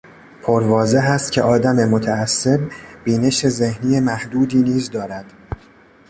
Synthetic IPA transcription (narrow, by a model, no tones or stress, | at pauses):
pʰoɾvɒːze̞ɦæst̪cʰe̞̰ʔɒːd̪æmemot̪ʰæːsːe̞bbiːne̞ʃe̞ze̞hniːjemæhd̪uːd̪iːniːzd̪ɒːɾæd̪̥